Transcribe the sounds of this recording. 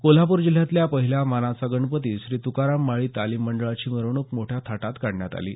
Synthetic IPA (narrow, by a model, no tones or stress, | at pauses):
kol̤apuːɾd͡ʑil̤jãt̪ljapəɦiljamanasaɡəɳpət̪iːɕɾiːt̪ukaɾamːaɭiːt̪aliːmːəɳɖəɭat͡ɕiːməɾʋɳ̃ukmoʈʰjat̪ʰaʈat̪kaɽɳjat̪a̰lḭː